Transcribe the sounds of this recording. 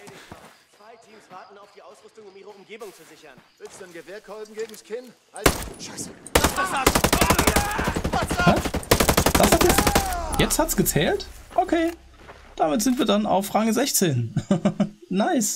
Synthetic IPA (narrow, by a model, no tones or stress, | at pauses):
v̥aɪtʰiːmsv̥aɐtn̩aʊfd̥iːʔaʊsʁʏstʊŋʊmiːʁəʊmɡeːbʊŋt͡suzɪçɐnvɪstanɡəveːɐkʰɔlɡ̩ɡeːɡŋ̩skʰɪn | s | as | d̥ashatjɛjɛt͡sthatsɡ̥ət͡sɛːltʔokʰeː | d̥amɪtz̥ɪntviːɐdana̰ʊfʁaɡəzɛçt͡seːn | naɪs